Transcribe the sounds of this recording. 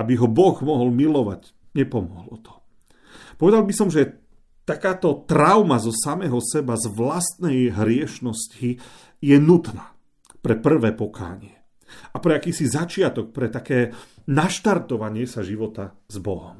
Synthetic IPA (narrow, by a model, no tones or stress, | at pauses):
abiɦɔbɔɣmɔɦɔlmilɔʋa̰ɟ | ɲɛpɔmɔɦlɔt̪ʰɔ̥ | pɔʋɛd̪albisɔmʒɛ | t̪akaːt̪ɔt̪ɾaʊmazɔsamɛɦɔsɛbazʋlast̪nɛjɦɾɪɛʃnɔsci | jɛnut̪naː | pɾɛpr̩ʋɛːpɔkʰa̰ːɲɪɛ | apɾɛakiːsizat͡ʃɪat̪ɔk̚pɾɛt̪akɛː | naʃt̪aɾt̪ɔʋaɲɪɛsaʒiʋɔt̪a | zbɔɦɔm